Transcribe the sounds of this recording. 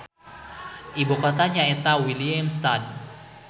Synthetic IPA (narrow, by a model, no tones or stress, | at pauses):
ʔibukɔt̪aɲaet̪awiliamst̪ad̚